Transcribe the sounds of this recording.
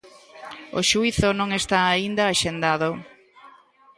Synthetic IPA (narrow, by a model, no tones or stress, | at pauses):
o̰ʃuiθʊnõŋest̪aːind̪aːʃend̪aðo